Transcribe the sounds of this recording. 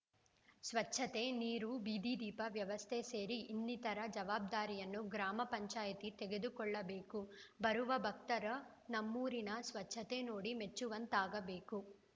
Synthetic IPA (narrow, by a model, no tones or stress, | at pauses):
sʋɐt͡ʃːʰɐt̪e̞niːɾubiːd̪id̪iːpɐʋjɐʋɐst̪ʰese̞ːɾiʔːnːit̪ɐɾɐd͡ʒɐʋaːb̚d̪aːɾijɐnːuɡɾaːmɐpɐɲt͡ʃaːjɐt̪it̪eɡe̞d̪ukɔɭːɐbe̞ːkubɐɾuʋɐbʱɐk̚t̪ɐɾɐ | nɐmːuːɾinɐsʋɐt͡ʃʰːɐt̪e̞no̞ːɽime̞t͡ʃːuʋɐnt̪aːɡɐbe̞ːku